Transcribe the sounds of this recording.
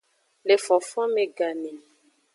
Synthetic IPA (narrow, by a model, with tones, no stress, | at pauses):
le˨fɔ̃˨fɔ̃˦mẽ˨ɡa˨ne˨